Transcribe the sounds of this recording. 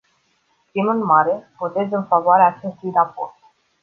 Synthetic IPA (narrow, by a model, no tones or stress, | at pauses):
k̪imɨnmaɾevot̪e̞zɨnfavoaɾeaːt͡ʃe̞st̪ujɾaport̪̚